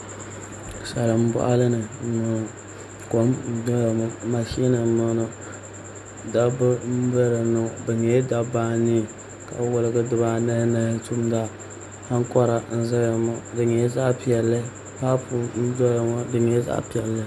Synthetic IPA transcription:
sa˨la˨m˦bɔ̰˦ʔa˦lɨ˦nɨ˨no˨n˨ | ko˦mn̩˦dɔ˦ja˨mo˦ma˨ʃi˦a˦na˨˦no˦no˨ | da˦bɨ˦m̩˦bə˦ɾɨ˨no˨bɨ˨ɲɛ˦da˦baː˦ni˦ | ka̰˨wʊ˦lɨ˦ɡɨ˦dɨ˨ba˦na˦na˦tu˦mda˦ | ha˦ŋ˦kɔ˦ɾa˨n̩˦zɨ˦a˨mɔ˦dɨ˨ɲɛ˨˦za˦ʔpi˨ɛ˨lːɨ˦ | ba˦pu˨n̩˦dɔ˦ɾa˨ma˦dɨ˨ɲɛ˨˦za̰˦ʔpi˨ɛ˨lːɨ˦

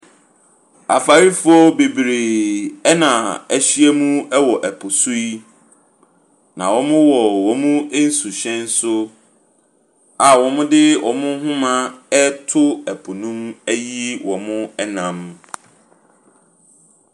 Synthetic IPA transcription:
a̰˨fa˨ɾi˦fʊ˦ɔ˦be˨bɾe˨ɛ˦nã˨æ˨ɕi˦ɛ˦mũ˦ɛ˦wɔ˨ʔɛ˨pʰʊ˨su˦i˦ | nã˨wɔ̃˨˦mʊ̃˦wɔ˨wɔ̃˨mũ˦e˦n̩˦su˨ɕɛ̃˦n̩˦sʊ˦ | a˨wɔ̃˨mʊ̃˦dɪ˦ʔɔ̃˨mʊ̃˦ɦʊ̃˦mã˦ɛ˦tʰʊ˦æ˨pʰʊ˨nũ˦mæ˦ji˦wʔɔ̃˨mʊ̃˦ɛ˦nã˨m

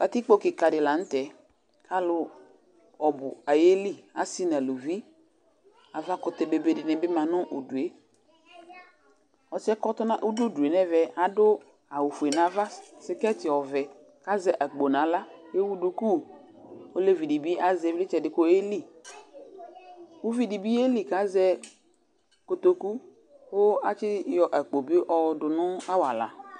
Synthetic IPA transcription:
ka˨t̪i˦k͡po˦kɪ˨ka˨dɪ˨la˨n̩˦tɛ˨ | kʰa˦lʊ˦ | ɔ˨bʊ̰˨a˨je˦li˦˨a˨si˦na˨lo˨vi˦ | a˨va˦kʊ˨t̪ɛ˨be˨be˨dɪ˨nɛ˨bɪ˦mã˨nʊ̃˦ʔo˨du˨e˨ | ɔ˨t͡ʃɪ˦ɛ˦kɔ˦t̪ʊ˦nã˦ʔu˦du˦o˦du˨e˨nɛ˦vɛ˨a˨dʊ˦ | a˨wu˨fu˨e˨nã˨˦va˦sɪ˦kɛ˦tɪ˨ɔ˨vɛ˨ | ka˦zɛ˨ʔa˨k͡po˨nã˨la˦je˦wu˦du˦ku˦˨wo˦le˦vi˨di˨bi˦a˦zɛ˨vlɪ˦t͡ʃɛ˨dɪ˨ko˦e˦li˦ | wu˦vi˨di˨bi˦e˦li˨ka˨˦zɛ˦ | ko˨t̪o˨ku˦ | wo˦a˨t͡ʃɪ˦jɔ˨ʔa˨k͡po˨bi˦ʔɔ˨dʊ˨nʊ̃˦a˦wa̰˨la̰˨

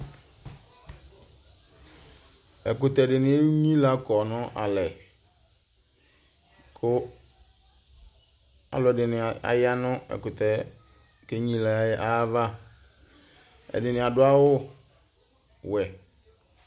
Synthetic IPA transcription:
ɛ˨kʊ˨t̪ɛ˨dɪ˨nɪ̃˨˦e˦ɲĩ˦la˦kɔ˨nʊ̃˦ʔa̰˨lɛ˨ | kʰʊ˦ | a̰˨lʊ˨ɛ˨dɪ˨nɪ̃˨a̰˨ja˦nʊ̃˦ɛ̰˨kʊ˨t̪ɛ˨ | ke˦ɲĩ˦la˨˦ʔa˦va˦ | ɛ̰˨dɪ˨nɪ̃˨a˨dʊ˦a˦wʊ˦ | wɛ˨

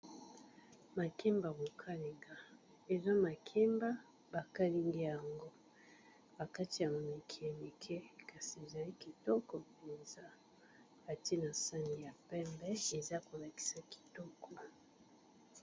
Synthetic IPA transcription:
ma˨ki˦mba˨bo˨kʰa˦li˨ŋɡa˨ | e˨zɔ˦ma˨kʰi˦mba˦ | ba˨ka˦li˦ŋɡi˦ja˨ŋɡo˦ | ba˨ka˦ti˨ja˨mo˨me˨kʰi˨e˨li˨kʰɛ˦ka˨si˨e˨za˨li˦ki˨tɔ˦kɔ˨pe˨nza˦ | a˨ti˦na˨sa˦ni˨ja˨pɛ˦mbɛ˦e˨za˦ko˨la˨ki̥˦sa˨ki̥˨tɔ˦kɔ˨

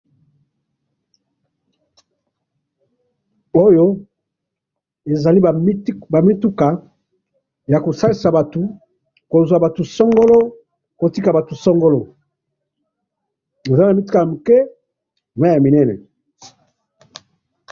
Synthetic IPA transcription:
o˦jo˦ | e˨za˨li˦˨˦ba˨mi˦tu˦ka˨ | ja˨ko˨sa˦li˨sa˨ba˨tu˨ | ko˨zwa˨ba˨tu˨sɔ˦ŋɡo˦lo˦ | ko˨ti˦ka˨ba˨tu˨sɔ˦ŋɡo˦lo˨ | e˨za˦na˨mi˦tu˦ka˨ja˨mu˨kɛ˦˨ | a˦ja˨mi˨nɛ˦nɛ̰˨

